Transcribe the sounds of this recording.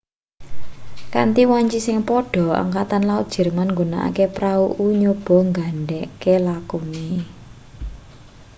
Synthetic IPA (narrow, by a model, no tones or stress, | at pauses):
ka̰nt̪iwaɲt͡ʃisɪŋpɔɖ̥ɔ̤a̰ŋkat̪anlaʊt̪̚d̥ʒ̥ɛ̤rmanŋɡuna̰ʔa̰kepɾauʔuɲob̥ɔ̤ŋɡaɳɖɛʔkelakuni